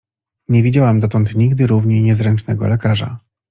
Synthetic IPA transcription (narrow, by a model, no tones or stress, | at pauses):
ɲɛvʲid͡ʑawamd̪ɔt̪ɔnt̪ɲiɡd̪ɘɾuvɲɛjɲɛzɾɛnt͡ʂnɛɡɔ̰lɛkaʐa̰